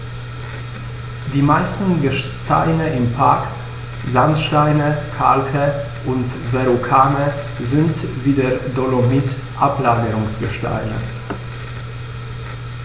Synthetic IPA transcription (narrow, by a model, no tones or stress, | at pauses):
diːmaɪstn̩ɡəʃ | ta̰ɪnəʔɪmpʰa̰ɐk | zantʃtaɪnəkʰa̰lkʰə | ʔʊntvɛʁukʰaːnə | zɪntviːdeːɐdolomit | ʔaplaːɡəʁʊŋsɡ̥əʃta̰ɪnə̰